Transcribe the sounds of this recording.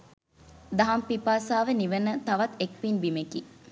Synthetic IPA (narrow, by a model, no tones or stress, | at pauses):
d̪ɐɦɐmpipaːsaːʋeniʋənət̪ɐʋɐt̪ek̚pinbimeki